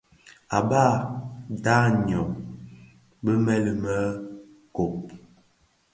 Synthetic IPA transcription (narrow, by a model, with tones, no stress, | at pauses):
a˨ba˦˨da˦ɲ˨ɔ˨ŋ | bə˦mɛ˦lə˨mə˦ | ko˨p̚